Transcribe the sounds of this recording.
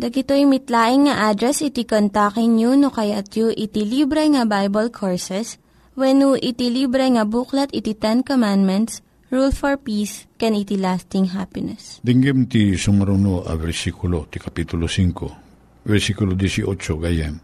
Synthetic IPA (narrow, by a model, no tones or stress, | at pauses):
d̪ɐɡɪt̪ojmɪt̪laːʔɪŋːɐʔad̪ɾɛsɪt̪ikont̪akɪŋɲjunokɐjat̪juʔɪt̪ɪlibɾɛŋɐbajbɐlkʰoɹsɛs | wɛnuʔɪt̪ilibɾɛŋɐbuklɐt̪ɪt̪it̪ɛnkomand̪mɛnt̪s | ɹulfɔɹpiskɛnit̪ilast̪ɪŋɦapɪnɛsd̪ɛŋɡɛmt̪isʊmɐɾunoʔɐ̰vɛɾsikʊlot̪ikɐpit̪ʊlosiŋko | vɛɾsikʊlod̪isiʔot͡ʃoɡaja̰n